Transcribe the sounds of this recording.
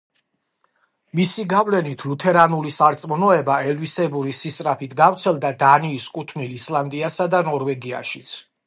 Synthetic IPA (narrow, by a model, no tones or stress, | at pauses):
misiɡavlɛnit̪ʰlut̪ʰɛɾanulisaɾt̪sʼmɔnɔɛbaɛlvisɛbuɾisist̪ʼɾapʰit̪ʰɡaft̪sʰɛlˠd̪ad̪aniːskʼut̪ʰnilislˠand̪ʼiasad̪anɔɾvɛɡia̰ʃit̪sʰ